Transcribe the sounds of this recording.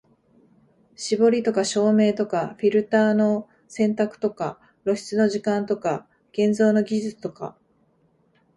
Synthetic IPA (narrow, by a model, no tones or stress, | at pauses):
ɕibo̞ɾʲit̪o̞kaɕo̞ːme̞ːt̪o̞kaɸʲiɾɯ̟t̪aːno̞ | sẽ̞nt̪akɯ̟̥t̪o̞ka | ɾo̞ɕi̥t͡sɨno̞ʑikãnt̪o̞ka | ɡ̥ẽ̞nd͡zo̞ːno̞ɡʲiʑɨt͡sɨ̥t̪o̞ka̰